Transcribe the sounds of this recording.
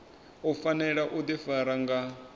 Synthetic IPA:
ufanɛɺaʔud̪ifaɾaŋɡa

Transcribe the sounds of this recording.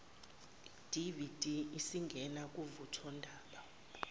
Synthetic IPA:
d̥ʱivid̥ʱiisiŋɡʱɛnak̬ʼuvutʰɔndʱaːɓa

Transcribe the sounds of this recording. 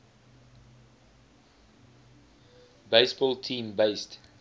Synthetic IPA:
beɪsbɔlˠtʰĩːmbeɪst

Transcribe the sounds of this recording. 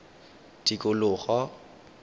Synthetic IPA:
d̥ikʼʊlʊːχɔ

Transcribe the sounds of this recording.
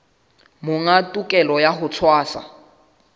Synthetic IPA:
mʊŋatʼukʼɛlɔjaɦʊt͡sʰwaːsa̰

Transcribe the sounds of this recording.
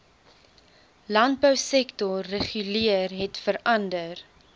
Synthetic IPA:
lɐnt̚bœwsɛktɔrːəχyliərɦɛtfəɾɐndər

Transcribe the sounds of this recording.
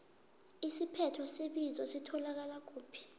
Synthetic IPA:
isipʰɛtʰɔseɓizɔsitʰɔlak̬alak̬ʼuːpʰi̥

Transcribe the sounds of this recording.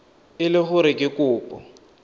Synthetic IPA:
ɪlɪχʊɾɪkʼɪkʼʊːpʼɔ̰

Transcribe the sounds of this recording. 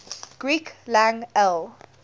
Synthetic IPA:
ɡ̥ɹiːklãŋɛl

